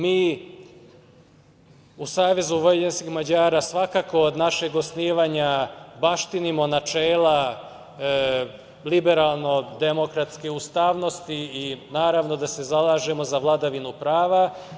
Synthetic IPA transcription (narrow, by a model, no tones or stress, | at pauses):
miː | usaːʋe̞zuʋojeʎenskixmad͡ʑaːɾaːsʋakako̞ːd̪naʃe̞ɡo̞sniːʋaːɲabaʃt̪inimo̞nat͡ʃeːlˠa | libeɾaːlˠno̞d̪emo̞kɾat̪skeust̪aːʋno̞st̪iːinaːɾaʋno̞d̪ase̞zalˠaːʒemo̞zaʋlˠad̪aʋinupɾaːʋa